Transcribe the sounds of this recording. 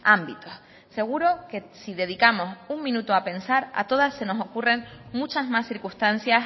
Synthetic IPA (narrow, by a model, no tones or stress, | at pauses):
ambit̪o̞s | se̞ɣ̞uɾo̞ke̞siðe̞ð̞ikamo̞suŋmĩnut̪oape̞nsaɾa̰t̪o̞ðasːe̞no̞so̞kure̞ŋmut͡ʃazmasθiɾkust̪an̟θjas